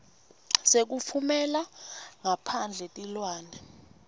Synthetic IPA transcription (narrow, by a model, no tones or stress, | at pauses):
sek̬ufʰumɛlaŋapʰand͡ɮʱɛtʼilwaːnɛ